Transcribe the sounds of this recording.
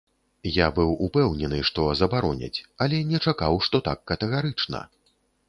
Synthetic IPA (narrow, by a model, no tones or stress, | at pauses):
jabɨwupɛwnʲɛnɨʂt̪ɔzɐbaɾɔnʲɐ̰t͡sʲɐlʲɛnʲɛt͡ʂakawʂt̪ɔt̪akːɐt̪ɛɣaɾɨt͡ʂnɐ̰